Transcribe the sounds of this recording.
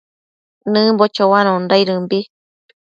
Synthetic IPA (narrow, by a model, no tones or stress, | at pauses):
nɨ̃mbot͡ʃowanõndaiɾɨmbi